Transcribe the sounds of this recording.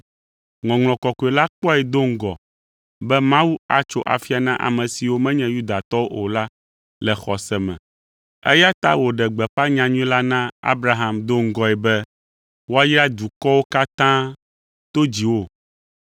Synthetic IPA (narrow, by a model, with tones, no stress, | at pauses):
ŋɔ̃˨ŋl̃ɔ̃˨kɔ˨kɔ˨ɛ˨la˦k͡pɔ˦ɛ˨d̪o˦ŋ̩˦ɡɔ̰˨ | bɛ˦mã˦wu˦a̰˨t͡ʃo̰˦ʔa̰˨fi˦a˨nã˦ʔa̰˨mɛ̃˨si˨wo˦mɛ̃˦ɲɛ̃˨ju˦d̪a˨t̪ɔ˦wo˦ʔo˨la˦ | lɛ˨xɔ˨sɛ˨mɛ̰̃˨ | ɛ̰˦ja˦t̪a̰˦wo˨ɖɛ˨ɡ͡bɛ˨ɸa˦ɲã˨ɲũ˦ĩ˦la˦nã˦a̰˦bɾa˦ɦa˨md̪o˦ŋ̩˦ɡɔ˨ɛ˨bɛ˦ | wo˦a˦ji˦a˦d̪u˨kɔ˦wo˦ka˦t̪ã˦ | t̪o˦d͡ʑi˨wo˦˨